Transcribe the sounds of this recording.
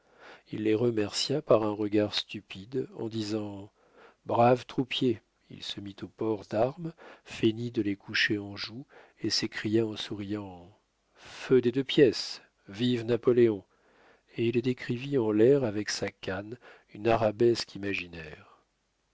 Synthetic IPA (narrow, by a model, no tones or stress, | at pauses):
ilːeʁəmɛʁsjapaʁɛ̃ʁəɡaʁst̪ypid̪ɑ̰̃d̪izɑ̃ | bʁavt̪χupje | ḭlsəmit̪opɔʁd̪aʁmfenid̪əlekʰuʃeɑ̃ʒu | esekχijaɑ̃suʁijɑ̃ | fød̪ed̪øpjɛs | vivnapɔleɔ̃ | eild̪ekχiviɑ̃lɛʁavɛksakan | ynaʁabɛskʰimaʒinɛʁ